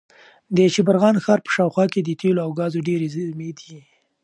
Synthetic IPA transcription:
d̪ət͡ʃɪbaɾɣɑnxɑɾpə̥ʃɑwxwɑked̪ət̪ʰeloawɡɑzoɖeɾezmed̪i

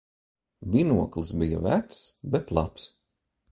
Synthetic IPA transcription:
vʲinuɔklˠɨsbija̰væt̪sbet̪lˠɑ̰ps

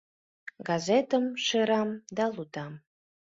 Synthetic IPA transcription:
ɡɑzet̪əmʃeɾɑmd̪ɑlut̪ɑm

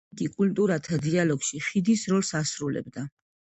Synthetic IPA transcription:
kʼikʼult̪ʼuɾat̪ʰad̪ialɔɡʃiχid̪isɾɔlˠsasɾulɛ̰bd̪a

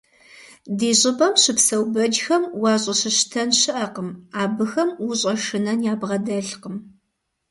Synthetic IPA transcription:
diːɕʼɪbɐmɕɨpsɐwbɐd͡ʒxɐmwɑːɕʼɐɕɨɕtʰɐnɕɨʔɐqəmaːbɨxɐmwʊɕʼɐʂɨnɐnjaːbʁɐdɐɬqəm

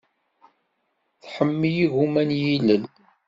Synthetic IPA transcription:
θħəmːijiɣumænjiləl

